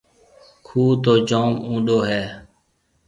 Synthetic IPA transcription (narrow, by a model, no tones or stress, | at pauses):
kʰuːt̪oːd͡ʒoːmũːɗoːɦɛː